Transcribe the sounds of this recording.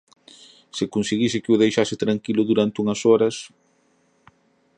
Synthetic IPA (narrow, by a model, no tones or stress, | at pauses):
sɪkonseɣisɪkɪʊðejʃasɪt̪ɾaŋkilʊðuɾant̪ɪuŋɐsɔɾɐs